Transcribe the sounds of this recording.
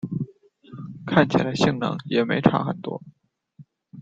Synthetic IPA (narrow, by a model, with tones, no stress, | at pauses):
kʰa˥˩nt͡ɕʰi˨˩la˧˥ɪɕi˥˩ŋnɤ̰˧˥ŋjɛ˨˩me˧˥ɪʈ͡ʂʰɑ̰˧˥xə̰˨˩nt̪wɔ̰˥